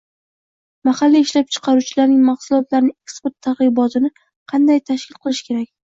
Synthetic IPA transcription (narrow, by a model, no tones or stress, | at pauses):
mahalːiɪʃlap̚t͡ʃʰɨ̥qʰɑɾut͡ʃʰɪlaɾnɪŋmaχsʊlˠɒt̪laɾɪnɪekspeɾt̪ʰːaɾʁɨbɒt̪ʰɪnɪ | qʰɑnd̪ajt̪ʰaʃkʲɪlˠqʰɨlˠɪʃkʲʰe̞ɾak̚ʲ